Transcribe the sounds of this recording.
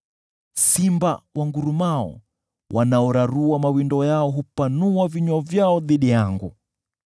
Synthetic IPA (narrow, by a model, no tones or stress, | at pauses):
simbawʔaŋɡuɾumaɔ̰ | wʔanaɔɾaɾuamawindɔjaɔɦupanuwaviɲwɔvjaɔðiɗijaŋɡṵ